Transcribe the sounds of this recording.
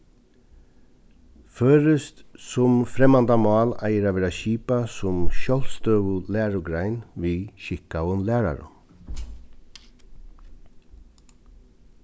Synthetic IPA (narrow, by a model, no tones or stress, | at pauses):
føːɾəst̪sʊmfɾɛmand̪amɑːla̰jəɾaʋɛːɾaʃiːpasʊmʃɔl̥st̪œːʋʊlæːɹʊɡɾaɪnʋiʃɪhkawənlæːɾa̰ɾʊ̰m